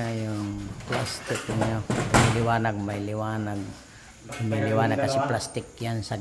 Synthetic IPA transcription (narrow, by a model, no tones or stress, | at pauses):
ajʊŋplast̪ɪkniomiliwaːnaɡ̚majliwanaɡ̚ | miliwaːnaɡ̚kːasiplast̪ɪkjansa